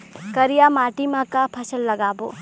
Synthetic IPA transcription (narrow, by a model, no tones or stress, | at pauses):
kəɾijamaʈimãkapʰəsəlːəɡabo